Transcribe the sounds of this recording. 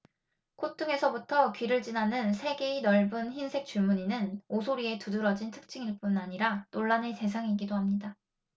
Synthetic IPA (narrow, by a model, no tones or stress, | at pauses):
kʰotʰɯŋe̞sʰʌbutʰʌkɥiɾɯɭt͡ɕinanɯnsʰe̞ɡe̞inʌɭbɯnçinsʰe̞k̚t͡ɕ͈uɭmuɲinɯnosʰoɾie̞tudɯɾʌd͡ʑintʰɯk̚t͡ɕ͈iŋiɭp͈unaɲiɾatoɭːanete̞sʰaŋiɡidoɦamɲida